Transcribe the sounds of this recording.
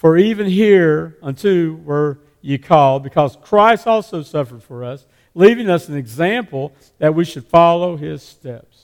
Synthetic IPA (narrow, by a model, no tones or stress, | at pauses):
fə˞ivɨ̃nɦiɹə̃ntʰɨlˠwə˞ | jɨkʰɔlˠd̚bɨkʰʌz̥kʰɹ̥aɪstɔlˠsoʊsʌfə˞d̥fə˞ʌs | livɪ̃ŋʌsn̩ɨɡzæ̃mpl̩ˠ | ðɨt̚wiʃɨd̥fɑlˠoʊɪz̥stɛps